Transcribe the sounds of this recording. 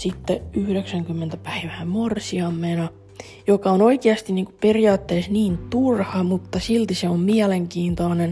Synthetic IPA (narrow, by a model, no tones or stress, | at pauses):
sit̪ːeyhɾeksæŋkymːent̪æpæiʋæːmorsiɑmːenɑ | jokɑonoikeɑst̪iniːŋkuperijɑːt̪ːeːsniːnt̪urhɑmut̪ːɑsilt̪iseommiæleŋkiːnt̪oːnen